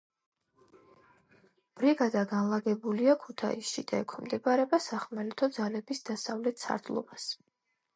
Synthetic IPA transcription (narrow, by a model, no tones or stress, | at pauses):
b̥ɾiɡad̪aɡanlˠaɡɛbuliakʰut̪ʰa̰ḭsʃid̪̥aɛkʷʰimd̪ɛbaɾɛbasaχmɛlɛt̪ʰɔd̪zalɛbisd̪̥asavlɛt̪ʰsʰa̰ɾd̪lˠɔ̰bas